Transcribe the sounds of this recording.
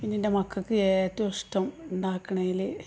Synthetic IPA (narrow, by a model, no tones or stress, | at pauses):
pinːeinde̞mɐkːɐkːɨeːt̪ːuɐʂʈɐmend̪aːkːɐɳɐjilɨ